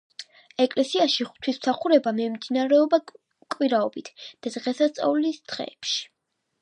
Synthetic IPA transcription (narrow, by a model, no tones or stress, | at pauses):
ɛkʼlɛsiaʃiχt̪ʰwismsaχuɾɛbamɛmd̪inaɾɛɔba | kʼwiɾaɔbit̪ʰd̪̥ad̪ʁɛsat̪sʼa̰vlisd̪̥ʁɛ̰ːpʃi̥